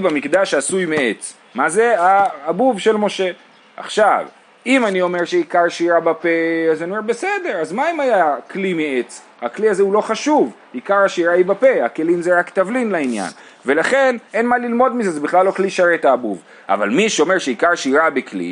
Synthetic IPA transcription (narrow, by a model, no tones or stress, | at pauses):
bamikd̪aʃasujmiet͡s | mazeaːbuvʃe̞lmo̞ʃe̞ | ʔa̰χʃav | imanio̞meʁʃeikaʁʃiʁabape̞azaniomebe̞se̞d̪eʁazmaimajaklimiet͡s | hakliazeulo̞χaʃuv | ikaʁaʃiʁaibape̞ake̞limzeʁakt̪avlinlainja̰n | ve̞laχe̞nenmalilmo̞d̪mize̞zebiχlalːo̞kliʃaʁet̪aːbuv | ʔa̰valmiʃeo̞me̞ʁʃeikaʁʃiʁabeklḭ